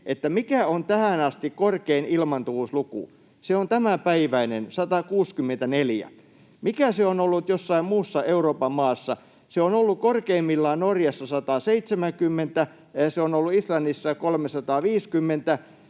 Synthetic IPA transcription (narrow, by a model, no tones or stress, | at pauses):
ʔet̪ːæmikæont̪æhænɑst̪ikkorkeinilmɑnt̪uʋuslukṵˑ | seont̪æmæpæiʋæinensɑt̪ɑkuːskymːent̪æneljæ̰ | mikæseonolːut̪josːɑimmuːsːɑeuroːpɑmmɑːsːɑ | seonolːukorkeimːilːɑːnnorjɑsːɑsɑt̪ɑːseit̪semæŋkymːent̪æ | seonolːuislɑnːisːɑkolmesɑt̪ɑːʋiːskymːent̪æ